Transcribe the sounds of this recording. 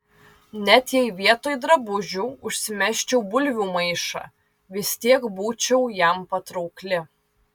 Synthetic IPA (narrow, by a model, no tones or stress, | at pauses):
nʲɛt̪jɛɪʋʲiɛt̪oːjd̪ɾɐbʊʒʲuʊʃʲsʲɪmʲɛʃʲt͡ʃʲɛʊbʊlʲʋʲuːmɐɪʃɑ̰ː | ʋʲɪsʲt̪ʲiɛkbuːt͡ʃʲɛʊjæmpɐt̪ɾɐʊklʲɪ